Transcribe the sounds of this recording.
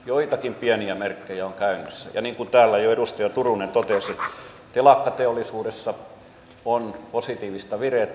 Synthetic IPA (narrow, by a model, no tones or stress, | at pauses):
joit̪ɑkimpiæniæmerkːejæoŋkæynøsːæ̰jɑ̰niːŋkut̪æːlːæjoedust̪ɑjɑt̪urunent̪ot̪eset̪ | t̪elɑkːɑt̪eolːˑisuːdesːɑ | onposit̪iːʋist̪ɑʋiret̪